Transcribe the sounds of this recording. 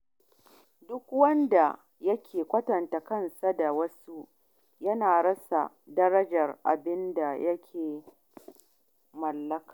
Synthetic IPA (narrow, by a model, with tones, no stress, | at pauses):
dʊ˦kwɐ˦nda˨ | jɐ˦kʲʰeː˨kʷɐ˦tɐ˨nta˨kɐ˦˨nsa˦da˨wɐ˦su˦ | jɐ˦naː˨ɽɐ˦sa̰˨ | dɐ˦ɾɐ˦d͡ʒɐ˨rʔa̰˨bɪ˦nda˨jɐ˦kʲʰeː˨ | mɐ˨lːɐ˦kaː˨